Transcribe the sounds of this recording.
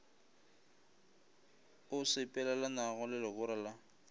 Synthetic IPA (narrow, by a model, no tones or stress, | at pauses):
ʊsɪpʼɛlalanaɣɔlɪlɪɣʊɾala